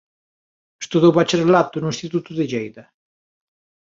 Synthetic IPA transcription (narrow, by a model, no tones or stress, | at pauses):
est̪oðowβat͡ʃeɾlat̪ʊnʊĩnst̪it̪ut̪ʊðɪʎejðɐ